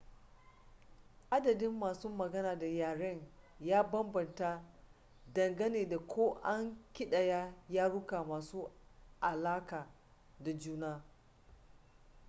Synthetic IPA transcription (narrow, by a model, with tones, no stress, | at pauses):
ʔa˦dɐ˨dɪ˦mːaː˨suː˦mɐ˨ɡɐ˦naː˨da˨jaː˨ɽɐ˦ɲjaː˦bɐ˦mbɐ˨nta˦ | dɐ˨ŋɡɐ˦neː˨da˨kʷʰoː˦ʔa˦ŋkʲɪ˦ɗɐ˨jaː˦jaː˦ɽʊ˦ka˨maː˨suː˦ʔa˨laː˦kaː˨ | da˨d͡ʒuː˦naː˦